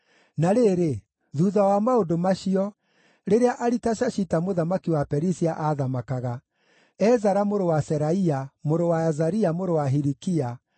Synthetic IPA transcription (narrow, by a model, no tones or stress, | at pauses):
naɾeɾe | ðuːðawamaodomaɕiɔ | ɾeɾeaʔaɾitaɕaɕitamoðamakiwapɛɾisiaʔaðamakaɣa | ɛzaɾamoɾowasɛɾaiamoɾowaazaɾiamoɾowaɦiɾikia